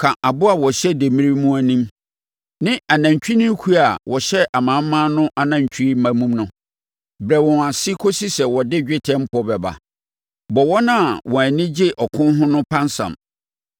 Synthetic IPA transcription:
kʰã˨ʔa˨bʊ˦a˨wɔ˨ɕɛ˦de˨mĩ˦ɾi˦mũ˦æ˦nĩ˦m | nɪ̃˦a˨nã˨ɲ˨t͡ɕᶣi˦nʊ̃˦kʰu˦a˨wʔɔ˨ɕɛ˦ʔa˨mã˨m̩˦mã˦nʊ̃˦ʔa˦nã˦ɲ̩˨t͡ɕʰᶣi˦i˦mã˨mũ˦mnʊ̃˦ | bɾɛ˨wɔ̃˨a˨sɪ˦kʰo˦si˦sɛ˨wɔ˨dɪ˦d͡ʑᶣɪ˦tʰɛ̃˦m̩˦pɔ˦bɛ˨ba̰˨ | bɔ˨wɔ˦nã˦˨wɔ̃˨æ˨nɪ̃˦d͡ʑɪ˦ʔɔ˨kʰʊ̃˦n˦ɦʊ̃˦nʊ̃˦pʰã˦nsã̰˨m

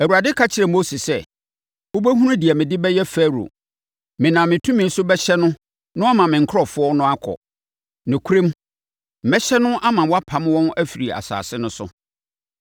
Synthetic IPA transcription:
æ˨wu˨ɾa˨dɪ˦kʰa˦t͡ɕʰɪ˨ɾɛ˨mo˦si˨sɛ˦˨ | o˦bæ˦ɦũ˦ɾũ˦di˨ɛ˨mɪ̃˨dɪ˦bɛ˦jɛ˦fɛ˦ɾo̰˨ | mɪ̃˨nã˨mɪ̃˨tʰũ˦mĩ˨˦n̩˦sʊ˦bɛ˦ɕɛ˦nʊ̃˦ | nʊ̃˦a˦mã˨mɪ̃˨ŋ̩˨kʰɔ˨fʊ˦ɔ˦nʊ̃˦a˦kʰɔ̰˨ | nɪ̃˨kʷʰu˦ɾẽ˦m̩˨ | mɛ˦ɕɛ˦nʊ̃˦ʔa˦mã˨wɔ˦a˦pʰã˨m˦wɔ̃˦næ˦fi˨ɾi˨a̰˨sa̰ː˨sɪ˦nʊ̃˦sʊ̰˦

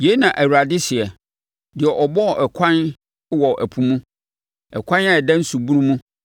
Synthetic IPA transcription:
je˨˦nã˨ʔæ˨wɾa˨dɪ˦sɪ˨ɛ˨ | dɪ˨ɛ˨ʔɔ˨bɔ˦˨ʔɛ˨kʷʰã˦n˦ | wɔ˨ʔæ̰˨pʰũ˨mũ˦ | ɛ˨kʷʰã˦na˦ɛ˨dã˦n̩˦su˨bu˦ɾũ˦mũ˦

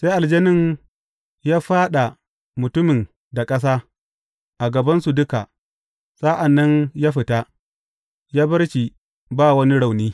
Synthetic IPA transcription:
se˦ʔa˨ld͡ʒɐ˦nɪ˦n | jaː˦ɸaː˦ɗa˨ | mʊ˨tʊ˦mɪ˨n | da˨kʼɐ˦s̬aː˦ | ʔa˨ɡɐ˨bɐ˦nsu˨dʊ˦ka˨ | sa˦ʔa˨nːɐ˦njaː˦ɸɪ˨taː˦ | jaː˦bɐ˦ɾʃi˨ | baː˦wɐ˦ni˦ɽa˨wniː˦

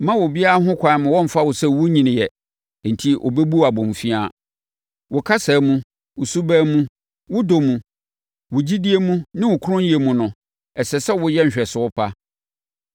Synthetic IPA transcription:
mã˦wʊ˨bi˦a˦a˦ɦʊ̃˦kʷʰã˨mʊ̃˨wɔ̃˦m̩˨fa˦wʊ˨sɛ˦wʊ˦ɲĩ˨nɪ̃˨jɛ˨ | n̩˨tʰi˦ʔɔ̰˨be˦bu˦˨a˨bɔ̃˨m˨fi˦a˦˨ | wʊ˨kʰa˦sɛː˨˦mũ˦ | wʊ˨su˦bæ˦mũ˦ | wʊ˦do˨mũ˨ | wʊ˨d͡ʑi˦di˦e˦mũ˦nɪ̃˦wʊ˨kʰʊ˦ɾʊ̃˦n˦je˨mũ˨nʊ̃˨ | ɛ˨sɛ˨sɛ˦wʊ˦jɛ˦ɲ̩˨ɕᶣɛ˨sʊ˨˦ɔ˦pʰa˦

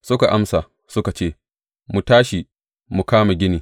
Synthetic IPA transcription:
sʊ˦ka˨ʔa˦msa˨ | sʊ˦ka˨t͡ʃeː˦˨ | mu˨taː˦ʃi˨ | mu˨kaː˦ma˨ɡʲɪ˦niː˨

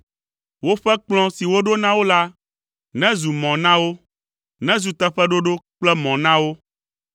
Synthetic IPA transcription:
wo˦ɸɛ˦k͡plɔ̃˦si˨wo˦ɖo˦nã˦wo˦la˦ | nɛ̃˦zu˨mɔ̃˨nã˦wo˦ | nɛ̃˦zu˨t̪ɛ˦ɸɛ˦ɖo˦ɖo˦k͡plɛ˦mɔ̃˨nã˦wo˦

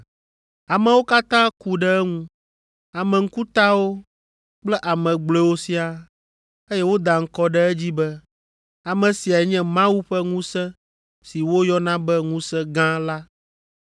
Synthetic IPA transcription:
a˨mɛ̃˨wo˦ka˦t̪ã˦ku˨ɖɛ˦ɛ˦ŋũ˦ | a˨mɛ̃˨ŋ̩˦ku˦t̪a˦wo˦ | k͡plɛ˦ʔa˨mɛ̃˨ɡ͡blɛ˦wo˦si˦a˦ | e˦jɛ˦wo˦d̪a˨ŋ̩˦kɔ˦ɖɛ˦ɛ˦d͡ʑi˦bɛ˦ | a˨mɛ̃˨si˨a˨ɛ˨ɲɛ̃˦mã˦wu˦ɸɛ˦ŋũ˦sɛ̃˦ | si˨wo˦jɔ˦nã˦bɛ˦ŋũ˦sɛ̃˦ɡã˦la˦

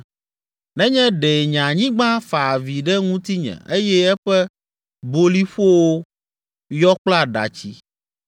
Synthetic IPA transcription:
nɛ̃˦ɲɛ̃˦ɖɛ˨ɲã˨ɲĩ˦ɡ͡bã˦fa˨vi˨ɖɛ˦ŋũ˦t̪i˦ɲɛ̰̃˨e˦jɛ˦ɛ˦ɸɛ˦ | bo˦li˦ɸo˦wo˦ | jɔ˦k͡pla˦˨ɖa̰˨t͡ɕi˦

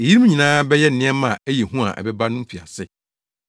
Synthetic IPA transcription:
e˨ji˦ɾm˦ɲĩ˨nãː˦bɛ˦jɛ˦n̩˨nɪ̃˦ɛ˦mã˨æ˦je˨ɦũ˦a̰˨ʔɛ̰˨bɛ˦ba˦nʊ̃˦m̩˦fi˨a̰˨sɪ˦

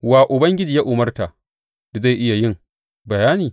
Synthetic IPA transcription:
waː˨ʔʊ˨bɐ˦ŋɡʲɪ˦d͡ʒiː˨ja˦ʔʊ˨mɐ˦rta˨ | da˨za˦˨ʔɪ˦ja˨jɪ˦˨ŋ | bɐ˨jaː˦niː˨

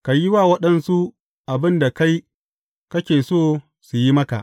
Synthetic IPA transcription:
ka˨jɪ˦waː˦˨wɐ˦ɗɐ˦nsu˦ | ʔa˨bɪ˦nda˨ka˦j | kɐ˦kʲeː˨soː˦ | su˨ji˦mɐ˦ka̰˨ʔ

